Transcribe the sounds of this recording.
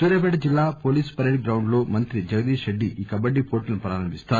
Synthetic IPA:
suːɾɐbɛːɽɐd͡ʒilːaːpo̞ːliːspɐɾeɖ̚ɡɾɐwɳɖlo̞ːmɐnt̪ɾid͡ʒɐɡɐd̪iːʃɐɖːiikɐbɐɖːipoːʈilɐnupɾaːɾɐmbist̪aːu

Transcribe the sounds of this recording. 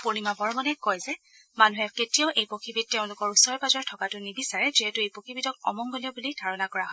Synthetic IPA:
poɹimabɔɹmɔnɛkɔjzɛ | manuɦɛketijɔʊʔejpokʰibit̚teʊ̃lʊkɔɹusɔɹɛpazɔɹtʰɔkatʊnibisaɹɛziɦɛtʊejpokʰibitɔk̚ɔ̰mɔŋɡoliɔbulidʱaɹɔnakɔɹaɦɔ

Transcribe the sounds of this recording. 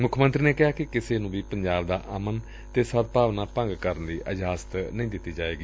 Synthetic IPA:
mʊkʰmənt̪ɾiːneːkɪɦaːkɪkɪseːnũːʋiːpəɲd͡ʒaːb̚d̪aːʔəmən | t̪eːsəd̪̚paːʋnaːpə̃ŋɡkəɾənd̪iːʔəd͡ʒɦaːsə̥t̪nəĩːd̪ɪt̪ːiːd͡ʒaːeːɡiː

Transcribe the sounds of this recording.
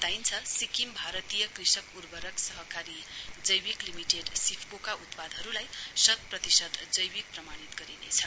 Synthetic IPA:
t̪ajnt͡sʰʌsikimbʱaɾʌt̪ijʌkrisʌkurbʱʌɾʌksʌɦʌkaɾid͡zʌjwiklimiʈeɖsipʰkokaut̪pad̪ʱʌɾulajsʌt̪̚prʌt̪isʌd̪d͡zʌjbik̚prʌmanit̪ɡʌɾinḛt͡sʰʌ

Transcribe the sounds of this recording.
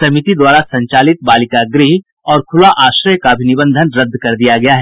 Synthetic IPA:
sɐmit̪id̪waːɾasɐ̃ɲt͡ʃaːlɪt̪̚baːlɪkaɡɾiɦ | ɔːɾkʰʊlaʔaːʃɾəjkabʱinɪbə̃nd̪ʱənɾɐd̪ʱːkɐɾd̪ijaɡɐjaɦɛː

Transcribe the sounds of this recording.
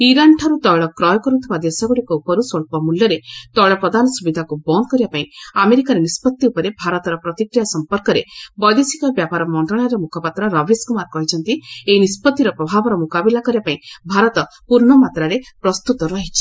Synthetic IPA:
iɾanʈʰaɾut̪ɔjɭɔkɾɔjɔkɔɾut̪ʰibad̪esaɡuɽikɔupɔɾusɔɭpɔmuljɔɾet̪ɔwɭɔpɾɔd̪ʱanɔsubid̪ʱakubɔnkɔɾibapaĩameɾikaɾenispɔt̪ːiupɔɾebʱaɾɔt̪ɔɾɔpɾɔt̪ikɾijasɔmpɔɾkɔɾebɔjd̪isikɔbjapaɾɔmɔɳʈɾɔɭ̃aɾɔmukʰɔpat̪ɾɔɾɔbiskumaɾkɔɦit͡ʃʰɔnt̪ieinispɔt̪ːiɾɔpɾɔbʱabɔɾɔmukabilakɔɾibapaĩbʱaɾɔt̪ɔ | puɾɳɔmat̪ɾaɾepɾɔst̪ut̪ɔɾɔɦit͡ʃʰi̥

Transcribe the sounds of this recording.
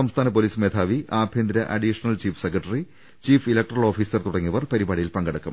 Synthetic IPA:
sɐmst̪ʰaːnɐp̬oːliːsmeːd̪ʰʱaːʋiaːbʱjend̪ɾɐʔɐ̰ɖiːʂɐnɐlt͡ɕiːfsekːɐʈːɐri | t͡ɕiːfilɐk̚ʈɐrɐɭo̞ːfiːsɐrt̪uɽɐŋːiɐʋɐrpɐɾibaːɽijilpɐŋɡɐɽɐkːɐm

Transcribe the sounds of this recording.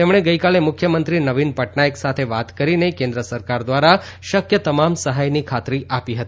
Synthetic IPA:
t̪emɽ̃eɡəikalemʊkʰjəmənt̪ɾinəʋinpəʈnajeksat̪ʰeʋat̪kəɾinekẽnd̪ɾəsəɾkaɾd̪ʋaɾa | ʃəkjət̪əmamsəɦajnikʰat̪ɾiʔapiɦət̪i

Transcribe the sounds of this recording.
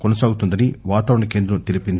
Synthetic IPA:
konɐsaːɡut̪und̪ɐniʋaːt̪aːʋɾɐɳɐke̞ːnd̪ɾɐmt̪ilipin

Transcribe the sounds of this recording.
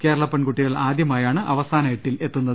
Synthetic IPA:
ke̞ːɾɐɭɐpːeɳkuʈːiɣɐɭaːd̪jɐmaːjaːɳɨʔɐʋɐsaːnɐjeʈːile̞t̪ːunːɐðɨ

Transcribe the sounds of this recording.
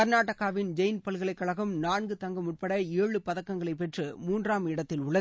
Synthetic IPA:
ɐɾnaːʈːɐɣaːʋɪnd͡ʒɐjnpɐlɣɐɭɐɪkːɐɭɐɣɯmnaːnɡɯt̪ɐŋɡɐmʊʈ̚pɐɽɐeːɻɯpɐðɐkːɐŋɡɐɭɐɪpːɛʈrɯmuːndraːmɪɽɐt̪ːɪlʊɭːɐð

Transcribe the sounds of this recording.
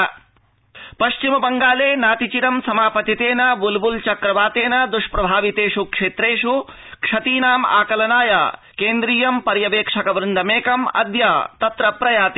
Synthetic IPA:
pɐʃt͡ʃimɐbɐŋɡaːleːnaːt̪it͡ʃiɾɐmsɐmaːpɐt̪it̪eːnɐʋulbult͡ʃɐkɾɐʋaːt̪eːnɐd̪uʂpɾɐbʱaːʋit̪eːʂukʂeːt̪ɾeːʂu | kʂɐt̪iːnaːma̰ːkɐlɐnaːja̰ | keːnd̪ɾiːjɐmpɐɾjɐʋeːkʂɐkɐʋɾund̪ʱɐmeːkɐmɐ̰d̪jaːt̪ɐt̪ɾɐpɾɐjaːt̪i

